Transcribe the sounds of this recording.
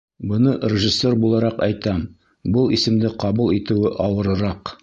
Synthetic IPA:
bɤ̆nɤrʲɪʒisʲːe̞rbulˠɑɾɑqɒjt̪ɑm | bɤlˠisɘ̆md̪ɘqɒbulˠit̪ɘ̆wɘʔɒwɤ̆ɾɤ̆ɾɑq

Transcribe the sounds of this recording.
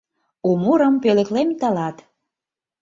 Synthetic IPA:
umuɾəmpelĕklemt̪ɑlɑt̪

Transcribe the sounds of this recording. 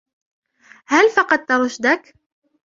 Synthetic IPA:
hælfɑqɑt̪ːɑwɤʃd̪æk

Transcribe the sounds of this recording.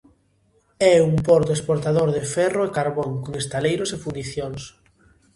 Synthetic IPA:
ɛumpɔɾt̪oespoɾt̪aðoɾðɪfɛroekaɾβɔŋkoŋest̪alejɾosefund̪iθjoŋs

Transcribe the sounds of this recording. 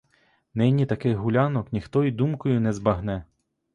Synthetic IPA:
nɪnʲit̪ɐkɪjɦulʲanɔknʲixt̪ɔid̪umkʊjʊnɛzbɐɦnɛ

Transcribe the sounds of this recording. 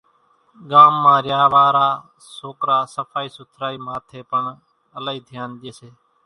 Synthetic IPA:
ɠaːmːãːɾjaːʋaːɾaː | soːkɾaːsəfʰaːiːsʊt̪ʰɾaːiːmãːt̪ʰeːpəɳ | əlaiːd̪ʱjaːnd͡ʒeːseː

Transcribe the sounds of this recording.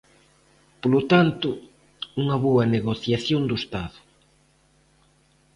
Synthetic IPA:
polot̪ant̪ʊ | uŋɐβoɐneɣoθjaθjond̪ʊest̪aðʊ

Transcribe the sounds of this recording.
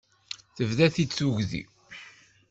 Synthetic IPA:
θəvðæθit͡sːuʝðḭ

